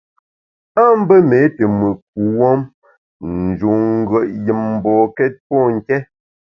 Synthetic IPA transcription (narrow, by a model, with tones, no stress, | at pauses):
a˦m̩˦bə˦me˨˦te˨mʉ˨ʔk̚u˨wɔ˦m | n̩˨d͡ʒu˨ŋ̩˦ɡɰə˨ʔjə˨mm̩˨bɔ˨kɛ˦t̚pɔ˦˨ŋ̩˨kɛ˦